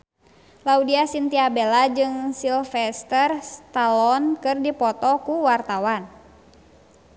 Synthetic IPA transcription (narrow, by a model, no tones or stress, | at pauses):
laudiasint̪iabelad͡ʒɨŋsilfɛst̪ərst̪alɔnkɨrdipɔt̪ɔkuwart̪awan